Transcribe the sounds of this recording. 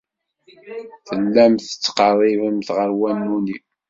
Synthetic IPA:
θəlːæmθə̥t͡sːqɑrˤɪvəmθʁəɾwænːuni

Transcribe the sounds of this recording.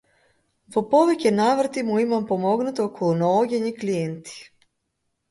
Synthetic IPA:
popoʋekenaʋr̩t̪imuimampomo̞ɡnut̪okʰounoːɡeɲiklijent̪i̥

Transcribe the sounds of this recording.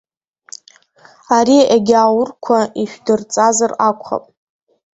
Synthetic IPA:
aɾiʔeɡʲawʊrkʷʰaiʃᶣdɨrt͡sʼazarakʷʰχa̰pʼ

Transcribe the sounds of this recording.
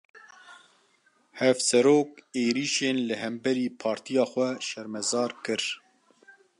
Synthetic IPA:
hɛfsɛɾoːkeːɾiːʃeːnlɨɦɛmbɛɾiːpʰɑːɾt̪ʰijɑːxʷɛʃɛɾmɛzɑːɾkɨɾ

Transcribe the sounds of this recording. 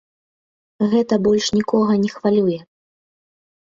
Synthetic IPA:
ɣɛt̪ɐbɔlʲʂnʲikɔɣɐnʲɛxvalʲujɛ

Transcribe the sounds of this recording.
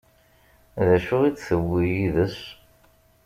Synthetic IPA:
ðæʃʊʁit͡sːθəwːijiðəs

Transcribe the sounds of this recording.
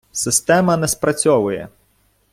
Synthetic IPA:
sɪst̪ɛmɐnɛspɾɐt͡sʲɔʋʊjɛ̰

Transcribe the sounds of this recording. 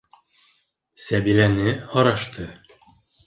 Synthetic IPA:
sæbiɾænɘhɒɾɑʃt̪ʰɤ

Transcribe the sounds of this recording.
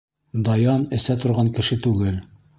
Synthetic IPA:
d̪ɑjɑnɘ̆sæt̪ŏɾʁɑŋkɘ̆ʃɘt̪ʉɡɘl

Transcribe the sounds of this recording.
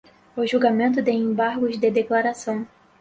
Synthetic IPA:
ʊʒuɡamẽnt̪ʊd̪eẽbaɾɡʊzd̪ed̪eklaɾasɐ̃w̃

